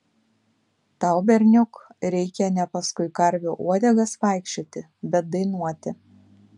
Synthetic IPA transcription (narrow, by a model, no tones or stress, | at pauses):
t̪ɑˑʊbʲɛɾʲnʲʊkɾʲɛɪkʲɛnʲɛpɐskʊɪkɐɾʲʋʲuːʔuɔd̪ʲɛɡɐsʋɑˑɪkʃʲt͡ʃʲot̪ʲɪ | bʲɛt̪̚d̪ɐɪnuɔt̪ʲɪ